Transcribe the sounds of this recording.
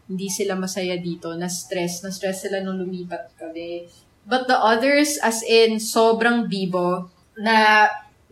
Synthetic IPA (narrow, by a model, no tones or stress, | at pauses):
hɪnd̪isɪlamɐsɐjad̪iːt̪o̞nɐst̪ɾɛsnɐst̪ɾɛsːɪlanʊŋlʊmiːpɐt̪̚kɐmɛ | bɐt̪̚d̪ɐʔɐðɛɹsɐsɪnsoːbɾɐŋbiːbo̞ | nɐ